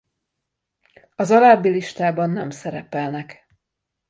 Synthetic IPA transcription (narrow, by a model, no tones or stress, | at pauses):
ɒzɒlaːbːiliʃt̪aːbɒnːɛmsɛɾɛpɛlnɛk